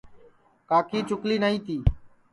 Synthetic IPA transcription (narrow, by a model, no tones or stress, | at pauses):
kaːkiːt͡ʃʊkliːnaːĩːt̪iː